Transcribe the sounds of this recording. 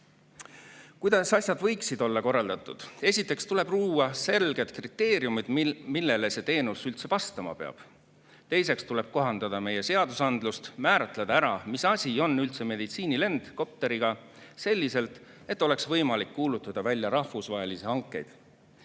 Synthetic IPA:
kujd̪̥ɑsɑsʲjɑd̪̥vɤ̞jksid̪o̞lːɑko̞rːɑld̪̥ɑt̪ːˑud̪̥e̞sʲit̪ːˑe̞kst̪ule̞b̥ruːwɑse̞lɡ̥e̞d̪̥krit̪ːe̞ːɾiumid̪̥milːe̞le̞se̞t̪e̞ːnusylt̪se̞vɑst̪ɑmɑ̰pe̞ɑ̰b̥ | t̪e̞jse̞kst̪ule̞b̥̚ko̞ɦɑnd̪̥ɑd̪̥ɑme̞je̞se̞ɑd̪̥usɑnd̪lust̪mæːɾɑt̪ˑled̪̥ɑæɾɑmisɑsʲio̞nːylt̪se̞me̞d̪it̪siːnile̞nd̪̥ko̞p̚t̪e̞ɾiɡ̥ɑ | se̞lʲːise̞lt̪ | e̞t̪ːˑo̞le̞ksvɤjmɑlikːuːlut̪ːˑɑd̪̥ɑvælʲjɑɾɑhvusvɑɦe̞lisihɑŋkːˑe̞jd̪̥

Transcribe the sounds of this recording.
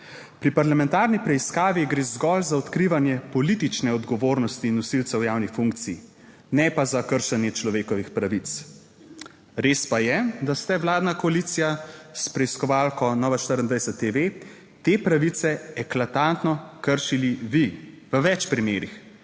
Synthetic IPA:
pɾipaɾlamɛ̃nt̪aːɾnipɾɛiskaːʋiɡɾeːzɡɔlzaɔt̪kɾiːʋanjɛpɔliːt̪it͡ʃnɛɔd̪ɡɔʋoːɾnɔst̪iːnːɔsilt̪sɛwjaːwnixfuŋk̚t̪si | nɛpazakəɾʃanjɛt͡ʃlɔʋeːkɔʋixpɾaʋit̪s | ɾeːspajɛd̪ast̪ɛwlaːd̪nakɔalit̪sijaspɾɛiskɔʋaːlkɔnɔːʋaʃt̪əɾənd̪ʋajsɛt̪ːeʋe | t̪epɾaʋit̪sɛɛklat̪ant̪nɔkəɾʃiliʋi | ʋəʋɛt͡ʃpɾimeːɾix

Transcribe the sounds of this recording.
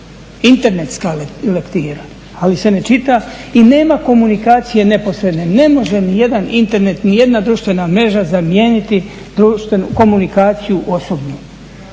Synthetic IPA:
int̪e̞ɾne̞t̪skallekt̪iːɾa | alise̞ne̞t͡ʃit̪aine̞ːmako̞munikaːt̪sije̞ne̞po̞sɾe̞d̪ne̞ne̞mo̞ʒe̞nije̞d̪anint̪e̞ɾne̞t̪nije̞d̪nad̪ɾuːʃt̪ʋe̞namɾe̞ʒazamje̞ːnit̪i | d̪ɾuːʃt̪ʋenuko̞munikaːt̪sijuʔo̞so̞bnuː

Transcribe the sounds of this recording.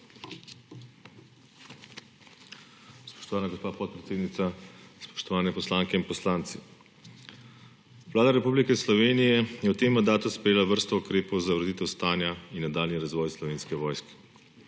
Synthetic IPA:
spɔ̥ʃt̪ɔʋaːnaɡospaːpɔt̪̚pɾɛt̪seːd̪nit̪saspɔ̥ʃt̪ɔʋaːnɛpɔslaːŋkɛinpɔslaːnt̪si | ʋlaːd̪aɾɛpublikɛslɔʋeːnijɛjɛwt̪emːand̪aːt̪uspɾɛjeːlaʋəɾst̪ɔukɾeːpɔwzaʋɾd̪iːt̪ɛwst̪aːnjainːad̪aːlniɾazʋɔjslɔʋeːnskɛʋɔːjskɛ̥

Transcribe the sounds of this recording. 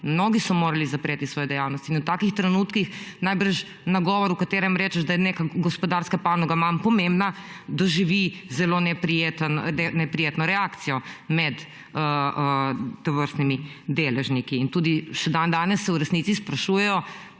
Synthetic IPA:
mnoːɡisɔmoːɾalizapɾeːt̪isʋɔːjɛd̪ɛjawnɔst̪iːnut̪aːkixt̪ɾɛnuːt̪kixnajbəɾʃ | naɡɔʋɔɾukat̪eːɾɛmɾɛːt͡ʃɛʒd̪ajɛneːkaɡospɔd̪aɾskapaːnɔɡamampɔmembna | d̪aʒiʋizɛlonɛpɾijet̪nɛnɛpɾijeːt̪nɔɾɛakt̪sijɔmɛd̪ | əəːoʋəɾst̪nimid̪eːlɛʒnikiːnt̪uːd̪iʃɛd̪and̪aːnɛsːɛuɾɛsniːtsispɾaʃuːjɛjɔ

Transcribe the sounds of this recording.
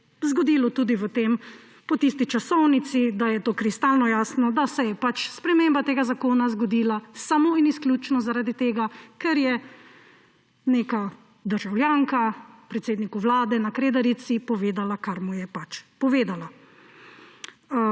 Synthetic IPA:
zɡɔd̪ilɔt̪uːd̪iʋət̪eːm | pɔt̪ist̪it͡ʃasɔwnit̪sid̪ajɛt̪oːkɾist̪alnɔjaːsnɔd̪asɛjɛpat͡ʃspɾɛmeːmbat̪eːɡazakoːnazɡɔd̪iːlasamoːinisklʲjut͡ʃnɔzaɾaːd̪it̪eːɡakɛɾjɛ | neːka | d̪əɾʒawljaːŋkapɾɛt̪seːd̪nikuʋlaːd̪ɛnakɾeːd̪aɾit̪sipɔʋeːd̪alakaɾmujɛpat͡ʃpɔʋeːd̪ala

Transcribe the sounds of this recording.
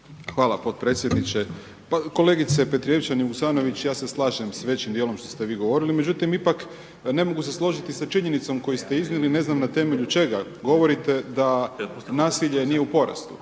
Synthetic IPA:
xʋaːlˠapot̪̚pɾe̞t̪sjed̪nit͡ɕe | pako̞le̞ɡit̪se̞pe̞t̪ɾije̞ʋit͡ɕaniʋuksaːno̞ʋit͡ɕjaːse̞slˠaːʒemsʋe̞t͡ɕimd̪ielˠo̞mʃt̪o̞st̪e̞ʋiːɡo̞ʋo̞ɾilime̞d͡ʒut̪imipak | ne̞mo̞ɡuse̞slˠo̞ʒit̪isat͡ʃiɲe̞nit̪so̞mko̞jist̪e̞izniline̞znamnat̪e̞meʎut͡ʃe̞ɡa | ɡo̞ʋo̞ɾit̪e̞d̪anaːsiʎe̞nije̞upo̞ɾa̰st̪ṵ

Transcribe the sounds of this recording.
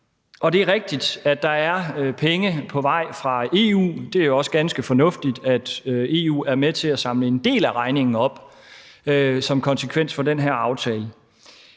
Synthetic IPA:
ɒ̽d̥e̝æɐʁeɡ̥̚d̥id̥æd̥ɑ̈æɐpʰeŋəpʰɒ̽ʋɑ̈ɪ̰fʁɑ̈e̝ːṵːd̥e̝æɐjo̝ɒ̽sə̥ɡ̥ænsɡ̥əfɒ̽nɔ̽fd̥id̥æd̥øe̝ːṵːæɐmet͡sʰe̝læsɑ̈mləe̝nd̥e̝̰ːlæʁɑ̈ɪne̝ŋn̩ɒ̽b̥ | øsɒ̽mkʰɒ̽nsəkʰʋen̰sfɒ̽denɦeɐ̰ɑ̈ʊt͡sʰɛːlə

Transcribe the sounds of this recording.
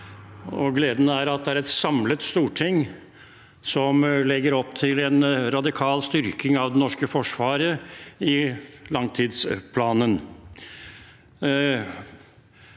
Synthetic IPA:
ɔɡleːd̪nəæɾɑt̪̚d̪ɛæɾɛt̪sɑmlət̪st̪uːʈʰɪŋː | sɔmlɛɡːəɾɔpːt̪ʰɪlɛnɾɑd̪ɪkʰɑːlst̪ʏɾkɪŋɑʋd̪ɛnɔʂkəfɔʂʋɑːɾəɪlɑŋt̪ʰiːd̪spʰlɑːnən

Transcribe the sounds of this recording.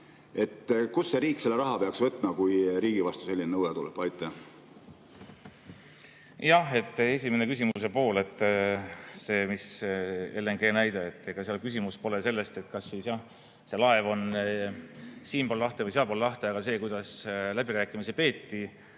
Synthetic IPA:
e̞t̪ːkusːeɾiːkse̞lːeɾɑɦɑpeɑksvɤt̪ːˑmɑkujɾiːɡ̥ivɑst̪use̞lːinnɤwet̪ulḛb̥ɑjt̪ːˑɑ | jɑhe̞t̪ːˑe̞sʲime̞ne̞kys̬ʲimuuse̞po̞ːle̞t̪ˑː | se̞ːmiselːeŋɡ̥e̞ːnæjd̪̥eet̪ːekɑseɑlkysʲimuspo̞le̞se̞lːe̞st̪e̞t̪kɑsːisjɑh | se̞lɑe̞vo̞n | siːmpollɑht̪evɤjseɑlpollɑht̪e̞ɑɡɑse̞ːkujd̪̥ɑslæb̥iɾæːkːˑimisepe̞ːt̪ːi

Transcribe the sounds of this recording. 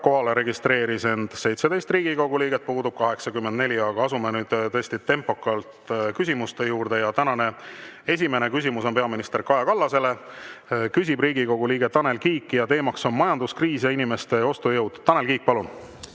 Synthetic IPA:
ko̞ɦɑle̞ɾe̞ɡist̪ɾe̞ːɾise̞nd̪̥se̞jt̪sed̪e̞jst̪riːɡiko̞ɡuliːɡet̪̚puːd̪ub̥̚kɑɦe̞ksɑɡymːend̪ne̞lʲiɑɡ̥ɑɑsumenyːd̪t̪ɤest̪it̪e̞mpːˑo̞kːˑɑlt̪kys̬ʲimust̪e̞juːrd̪e̞jɑt̪ænɑne̞e̞s̬ʲime̞ne̞kys̬imuso̞npe̞ɑminist̪erkɑjɑkɑlːɑse̞le̞ | kys̬ʲibriːɡiko̞ɡ̥uliːɡ̥et̪ːɑne̞lkiːkːˑijɑt̪e̞ːmɑkso̞nmɑjɑnd̪̥uskriːsjɑinime̞st̪e̞o̞st̪ujɤwd̪̥t̪ːɑnelkiːk̚pɑlun

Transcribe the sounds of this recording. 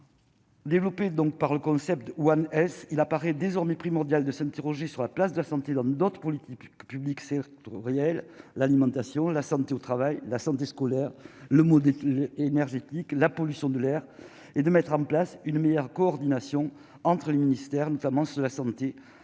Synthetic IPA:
d̪evlɔped̪ɔ̃ŋk̚paʁləkɔ̃sɛp̚t̪wanɛsilapaʁɛd̪ezɔʁmepχimɔʁd̪jald̪əsɛ̃nt̪eʁɔʒesyʁlaplasd̪əlasɑ̃t̪ed̪ɑ̃d̪ɔt̪χə̥pɔlit̪ikpybliksɛk̚t̪ɔʁjɛllalimɑ̃t̪asjɔ̃lasɑ̃t̪eot̪χavajlasɑ̃t̪eskɔlɛʁləmɔd̪ɛlenɛʁʒet̪iklapɔlysjɔ̃d̪əlɛʁ | ed̪əmɛt̪χɑ̃plasynmejœʁkɔɔʁd̪inasjɔ̃ | ɑ̃t̪χəleminist̪ɛʁnɔt̪amɑ̃sd̪əlasɑ̃t̪e

